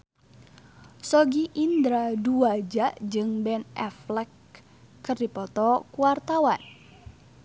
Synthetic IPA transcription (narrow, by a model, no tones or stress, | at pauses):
sɔɡiʔind̪ɾaduad͡ʒaʔd͡ʒɨŋbɛnɛ̰flɛkː | ɨrdipɔt̪ɔkuart̪awan